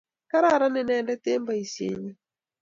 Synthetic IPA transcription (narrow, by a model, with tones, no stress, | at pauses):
ka˦ɾa˦˨ɾa˦nɪ˨nɛ˨ndɛ˦tɪ˦mba˨i˨sjḛ˨ɲi˦